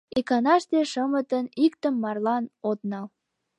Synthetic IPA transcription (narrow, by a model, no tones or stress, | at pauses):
ekɑnɑʃt̪eʃəmət̪ənikt̪əmːɑrlɑnot̪nɑl